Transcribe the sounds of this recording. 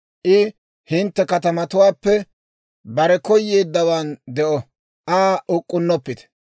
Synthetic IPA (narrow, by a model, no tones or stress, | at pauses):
ʔɪ | hɪnt̪ːɛkɐt̪ɐmɐt̪ʊwaːpːɛ | bɐɾɛkɔjːe̞ːd̪ːɐwaːnd̪ɛʔɔ | ʔaːʊkʼːʊnːɔpːɪt̪ɛ̥